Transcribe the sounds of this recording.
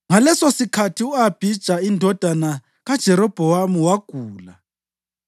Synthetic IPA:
ŋalɛsɔsikʰatʰiuab̥ʱid̥ʒ̥ʱaindʱɔd̥ʱana | ɣad̥ʒ̥ʱɛɾɔb̥ʱɔwamuwaɡ̥ʱuːla

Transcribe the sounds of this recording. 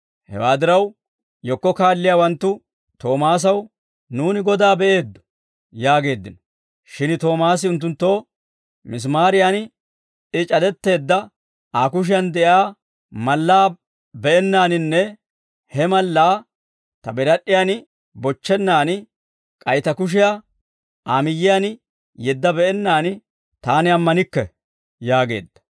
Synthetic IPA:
hɛ̰waːd̪ɪɾɐw | jɔkːɔkaːlːɪjaːwɐnt̪ːʊ | t̪o̞ːmaːs̬ɐw | nuːnɪɡɔd̪aːbɛʔe̞ːd̪ːɔ̥ | jaːɡe̞ːd̪ːɪnɔ̥ | ʃɪnt̪o̞ːmaːs̬ɪʊnt̪̬ːʊnt̪ːo̞ː | mɪs̬maːɾɪjan | ɪt͡ʃʼɐd̪ɛt̪ːe̞ːd̪ːɐ | ʔaːkʊʃ̬ɪjɐnd̪ɛʔjaː | mɐlːaː | bɛʔɛnːaːnɪnːɛ | hɛmɐlːaː | t̪ɐbɛɾɐɗːɪjan | bɔt͡ʃːɛnːaːn | kʼɐjt̪ɐkʊʃ̬ɪja | aːmɪjːɪjan | jɛd̪ːɐbɛʔɛnːaːnɪ | t̪aːnɪɐmːɐnɪkːɛ | jaːɡe̞̰ːd̪ːɐ̥

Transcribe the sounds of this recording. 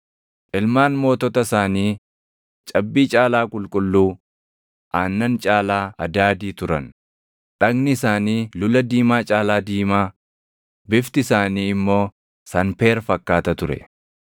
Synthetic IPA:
ʔɪlmaːnmo̞ːt̪ɔt̪ɐsaːniː | t͡ʃʼɐbːiːt͡ʃʼaːlaːkʼʊlkʼʊlːuː | ʔaːnːɐnt͡ʃʼaːlaːɐd̪aːd̪iːt̪ʊɾɐ̰n | ᶑɐɡnɪɪsaːniːlʊlɐd̪iːmaːt͡ʃʼaːlaːd̪iːmaː | bɪft̪ɪɪsaːniːɪmːo̞ː | sɐnpe̞ːɾfɐkːaːt̪ɐt̪ʊɾɛ̰

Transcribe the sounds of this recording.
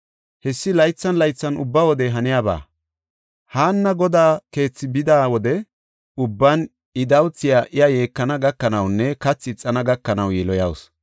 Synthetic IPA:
hɛsːɪlɐjt͡sːɐnlɐjt͡sːɐnʊ̰bːawɔd̪ɛɦɐnɪjaːba̰ː | haːnːɐɡɔd̪aːke̞ːt͡sːɪbɪd̪aːwɔd̪ɛ | ʊbːɐn | ɪd̪ɐwt͡sːɪjaʔɪjɐje̞ːkːɐnɐɡɐkːɐnɐwnːɛkɐt͡sːɪt͡sʼːɐnɐɡɐkːɐnɐwjɛlɔjɐws

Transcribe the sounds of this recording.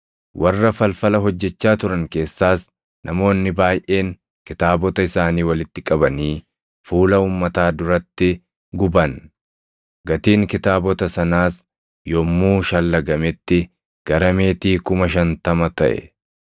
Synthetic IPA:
wʔɐrːɐfɐlfɐlɐɦɔd͡ʒːɛt͡ʃːaːt̪ʊɾɐŋke̞ːsːaːs | nʔɐmo̞ːnːɪbaːjʔe̞ːŋ | kɪt̪aːbɔt̪ɐɪsaːniːwɐlɪt̪ːɪkʼɐbɐniː | fuːlɐuːmːɐt̪aːd̪ʊɾɐt̪ːɪ | ɡʊbɐn | ɡɐt̪iːŋkɪt̪aːbɔt̪ɐsɐnaːs | jɔmːuːʃɐlːɐɡɐmɛt̪ːɪ | ɡ̥ɐɾɐme̞ːt̪iːkʊmɐʃ̬ɐnt̪ɐmɐt̪ɐ̰ʔɛ̰

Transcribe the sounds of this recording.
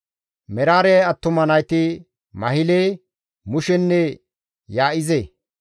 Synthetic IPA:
mɛɾaːɾɛjɐt̪ːʊmɐnɐjt̪ɪ | mɐɦɪleː | mʊʃɛnːɛ | jaːʔɪze

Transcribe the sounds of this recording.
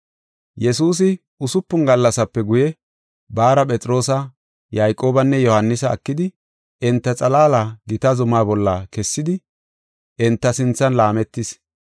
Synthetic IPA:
jɛsuːs̬ɪ | ʊsʊpːʊnɡɐlːɐsɐpːɛɡʊjɛ | baːɾɐpʼɛt͡sʼɾo̞ːsɐ | jaːjkʼːo̞ːbɐnːɛjɔhɐnːɪsɐ̰ːkːɪd̪ɪ | ɛnt̪ːɐt͡sʼɐlaːlaɡɪt̪ɐzʊmaːbɔlːɐkɛsːɪd̪ɪ | ʔɛnt̪ːɐsɪnt͡sːɐnlaːmɛt̪ːɪs

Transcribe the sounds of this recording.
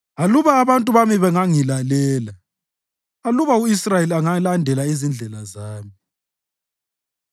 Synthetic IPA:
aluβaːβantʼuβamiβɛŋaŋilalɛːla | aluβauisrajeliaŋalandʱɛlaizind͡ɮʱɛlazaːmi

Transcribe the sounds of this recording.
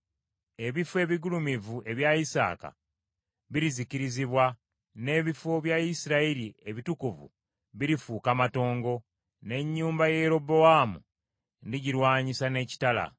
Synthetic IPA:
e̞βifwe̞ːβiɡulumivuʔe̞βjaisa̰ːka̰ | βiɾiziciɾiziβwa | ne̞βifoβjaisiɾailie̞βitukuvṵ | βiɾifuːkamato̞ːŋɡo̞ | ne̞ɲːuːmbaje̞ɾo̞bo̞amṵ | ndiɟiɾwaːɲisane̞ci̥tala̰

